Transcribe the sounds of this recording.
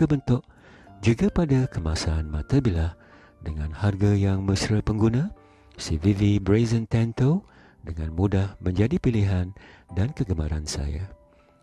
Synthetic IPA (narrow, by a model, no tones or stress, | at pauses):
kəbənt̪ʊʔ | d͡ʒuɡapadakəmasaːnmãt̪abilah | dəŋãnharɡajaŋməsɾəpəŋɡunã | sivivibɾezənt̪ɛnt̪o | dəŋãnmudahmə̃ɲd͡ʒadipiliɦandankəɡəma̰ɾansa̰ja̰